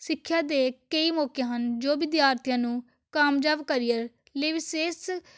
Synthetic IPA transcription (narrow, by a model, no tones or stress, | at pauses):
sɪkʰːjaːd̪eːkəiːmɔːkjãːɦənd͡ʒoːʋɪd̪jaːɾt̪ʰɪjãːnũː | kaːmd͡ʒaːbkəɾiəɾ | leːʋɪseːs